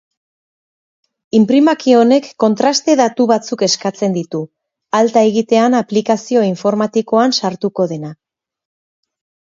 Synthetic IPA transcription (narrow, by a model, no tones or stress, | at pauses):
impɾimakio̞ne̞kːo̞nt̪ɾast̪e̞ðat̪uβat͡suke̞skat͡se̞nd̪it̪u | alt̪aeɣit̪e̞anaplikasio̞iɱfo̞ɾmat̪iko̞ansaɾt̪uko̞ðe̞na